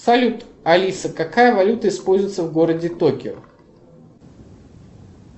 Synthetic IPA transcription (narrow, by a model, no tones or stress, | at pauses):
sɐlʲut̪ɐlʲisəkakajəvɐlʲut̪əɪspo̞lʲzʊjt̪səvɡo̞ɾədʲɪt̪okʲɪ̰ʊ̰